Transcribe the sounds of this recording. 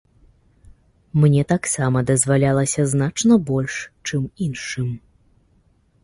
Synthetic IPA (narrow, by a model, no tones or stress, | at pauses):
mnʲɛt̪aksamɐd̪ɐzvalʲalˠɐsʲɐznat͡ʂnɐbɔlʲʂt͡ʂɨminʂɨm